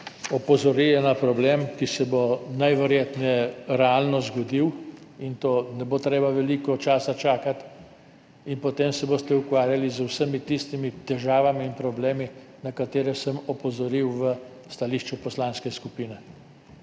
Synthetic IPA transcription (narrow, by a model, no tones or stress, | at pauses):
ɔpɔzɔɾijɛnapɾɔbleːmkisɛbonajʋɛɾjeːt̪nɛɾɛalnɔzɡɔd̪iwint̪oːnɛbot̪ɾeːbaʋɛliːkɔt͡ʃaːsat͡ʃaːkat̪ | inpɔt̪eːmsɛbost̪ɛukʋaːɾjalizwsəmit̪ist̪imit̪ɛʒaːʋamiːnpɾɔbleːmi | nakat̪eːɾɛsəmɔpɔzɔɾiwʋə | st̪aliʃt͡ʃupɔslanskɛskupiːnɛ